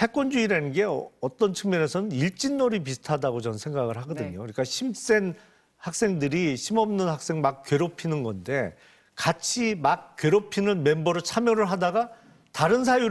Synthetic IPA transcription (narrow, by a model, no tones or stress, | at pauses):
he̞k͈wʌnd͡ʑuiɾaninɡe̞ʌt͈ʌnt͡ɕʰɯŋmjʌne̞sʰʌnɯniɭt͡ɕ͈inːoɾip̬isʰɯ̥tʰadaɡot͡ɕʌnsʰe̞ŋɡaɡɯɭɦaɡʌdɯɲokɯɲik͈aɕʰims͈e̞n | hak̚s͈e̞ŋdɯɾiɕʰimʌmnɯnhak̚s͈e̞ŋmak̚k͈ɥe̞ɾopʰinɯnɡʌnde̞ | kat͡ɕʰimak̚k͈ɥe̞ɾopʰinɯnme̞mbʌɾɯɭt͡ɕʰamjʌɾɯɭɦadaɡa | taɾɯns̬ʰaju